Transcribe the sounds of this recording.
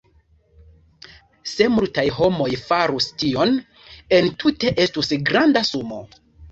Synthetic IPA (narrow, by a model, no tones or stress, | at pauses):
se̞multajɦo̞mo̞jfaɾustio̞n | entʰute̞ʔe̞stusɡɾandasumo̞̰